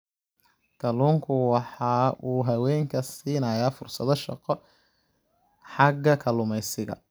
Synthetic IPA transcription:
kʰɐluːŋkʰʊwɑħɑːʔuːɦɐwɛːŋkʰɐsiːnɐjaːfʊrsɐðɔʃɑ̰qɔ | ħɑɡːɐkʰɐlʊmɛjsɪɣɐ̰

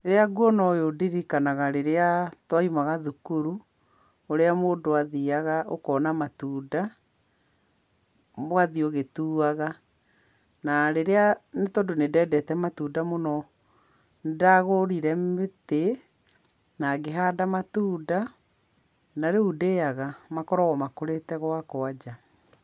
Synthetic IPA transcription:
eɾeaɡuɔnɔjodiɾikanaɣaɾeɾeatwaimaɣaðukuɾu | oɾeamoːndoaðiaɣaʔokɔːnamatuːda | mwaðioɣetuːaɣa | naɾeɾeanetɔdonedɛdɛtɛmatudamonɔ | ndaɣoɾiɾɛmmete | naɣeɦaːdamatuːda | naɾeudeaɣamakɔɾɔɣɔmakoɾetɛɣwakoad͡ʒa

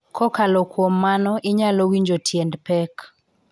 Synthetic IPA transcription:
kʰɔkalɔkwomːanɔʔɪɲalowiɲd͡ʒotʰjɛndpɛk

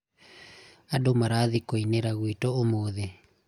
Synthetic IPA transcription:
adomaɾaðikoineɾaɣwitɔomoðe

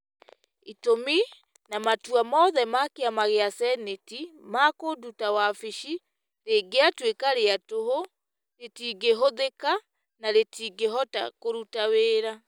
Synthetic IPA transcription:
itomi | namatwamɔðɛmakeamaɣeasɛnetimakodutawafiʃi | ɾeɡeatwekaɾeatoɦo | ɾetiːɡeɦoðeka | naɾetiːɡeɦɔta̰koɾutaweːɾa

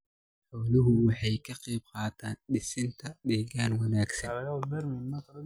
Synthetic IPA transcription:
ħɔːlʊɦʊwɑħɑjkʰɐqiːb̚qɑːt̪ʰaːnɖɪsɪnt̪ʰɐɖɛːɡaːnwɑnaːɡsɐlɐɣɐbɛɾmɪnmɐkʰɐl

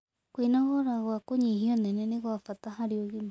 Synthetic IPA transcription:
kwinaɣɔɾaɣwakoɲiɦiɔnɛnɛneɣwafatahaɾioɣim

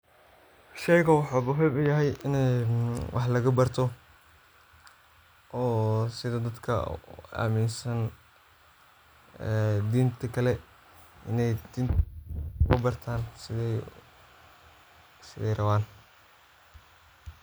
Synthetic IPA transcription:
ʃɛjɣɐwɑħuːbʊɦɛjbʊjɐɦɛjɪnɛwʔɑ̰ħlɐɣɐbɐrt̪ʰɔ | ʔɔːsɪðɐd̪ɐd̪kʰɐ̰a̰ːmɪnsɐn | ɛd̪iːnt̪ʰɐkʰɐlɛ | ʔɪ̰nɛjd̪iːn | kʊbɐrt̪ʰaːnsɪðɛj | sɪðɛ̰jrɐβaːn

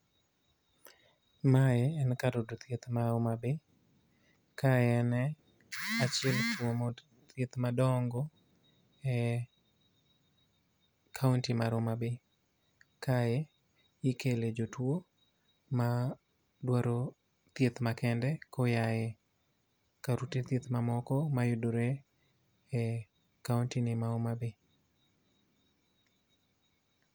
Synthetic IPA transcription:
majeɛnkadodot̪jet̪maomabɪ | kʰajɛnɛ | at͡ʃɪɛltwomo | t̪jet̪madɔŋɡɔ | ɛ | kʰauntimaɾomabɪ | kʰae | ɪkeled͡ʒotwo | ma | dwaɾo | t̪jet̪makɛndɛkɔjaje | kaɾutet̪jet̪mamɔkɔmajʊdoɾe | ɛ | kauntinɪmaomabɪ

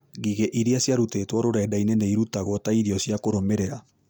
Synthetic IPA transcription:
ɡiɣeʔiɾiasiaɾutetooɾoɾaedaineneiɾutaɣotaiɾiosiakoɾomeɾeɾa

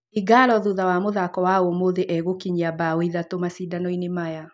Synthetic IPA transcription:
iɡalɔðuðawamoðakɔwaomoðeʔɛɣokiɲiabaoiðatomasidanɔinemaja

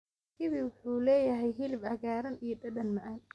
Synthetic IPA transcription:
kʰɪβiwʊħuːlɛːjɐɦɛjɦɪlɪbɐɣaːɾɐnijɐdɐdɐnmɐʕan

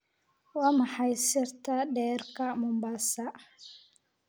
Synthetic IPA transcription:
wɑːmɑħɑjsɪrt̪ʰɐɖɛːrkʰɐmʊmbasɐ

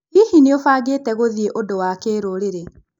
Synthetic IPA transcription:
ihineofaɡeːtɛɣoðieʔodowakeːɾoɾeɾe

